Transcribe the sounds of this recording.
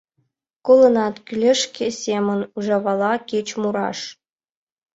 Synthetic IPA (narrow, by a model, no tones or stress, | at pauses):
kolˠɤ̆nɑt̪kʲylʲeʂkʲesʲemʲɘ̆nuʐɑʋɑlˠɑkʲet͡ɕmuɾɑ̰ʂ